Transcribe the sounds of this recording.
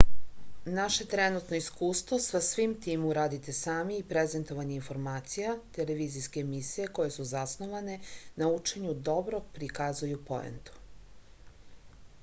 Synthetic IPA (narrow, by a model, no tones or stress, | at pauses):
naʃe̞t̪ɾenut̪no̞iskuːst̪ʋosʋasʋimt̪iːmuɾaːd̪it̪e̞saːmiːpɾeze̞nt̪o̞ʋaɲeinfo̞ɾmaːt̪sijat̪ele̞ʋiːziske̞ːmisije̞ko̞je̞suzasnoʋane̞naut͡ʂe̞ɲud̪o̞bɾoɡ̚pɾikazujupo̰ḛnt̪u̥